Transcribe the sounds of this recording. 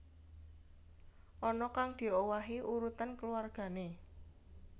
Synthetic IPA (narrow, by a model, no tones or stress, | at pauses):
ʔɔnɔkaŋd̪̥i̤owaɦiʔuɾut̪ankəluarɡ̥a̤ne